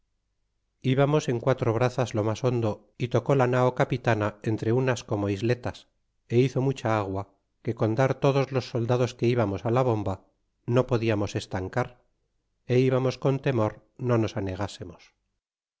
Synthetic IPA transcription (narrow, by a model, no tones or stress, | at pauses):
iβamo̞se̞ŋkwat̪ɾo̞β̞ɾaθazlo̞maso̞nd̪o̞ | it̪o̞ko̞lanaokapit̪anae̞nt̪ɾe̞unasko̞mo̞izle̞t̪as | e̞iθo̞mut͡ʃaaɣwa | ke̞ko̞nd̪aɾt̪o̞ðo̞zlo̞sːo̞ld̪að̞o̞ske̞iβamo̞salaβ̞o̞mba | no̞po̞ðiamose̞st̪aŋkaɾ | e̞iβamo̞sko̞nt̪e̞mo̞ɾ | no̞no̞sane̞ɣ̞ase̞mos